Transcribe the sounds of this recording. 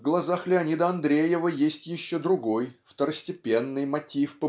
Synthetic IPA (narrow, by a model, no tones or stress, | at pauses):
vɡlˠɐzaxlʲɪɐnʲid̪əɐnd̪ɾʲejɪvəjesʲtʲjɪɕːod̪ɾʊɡo̞jft̪əɾəsʲtʲɪpʲe̞nːɨjmɐtʲifpə